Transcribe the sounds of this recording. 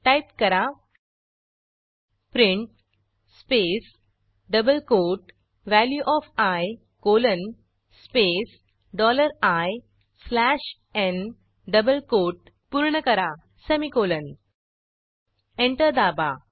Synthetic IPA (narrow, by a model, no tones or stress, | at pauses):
ʈajpkəɾa | pɾĩɳʈ̚ | spes | ɖəbəlkoʈ | ʋæljuʔɔfaj | kolən | spes | ɖɔləɾaj | slæɕ | ɛ̃n | ɖəbəlkoʈ̚ | puɾɳəkəɾa | səmikolən | ẽɳʈəɾd̪aba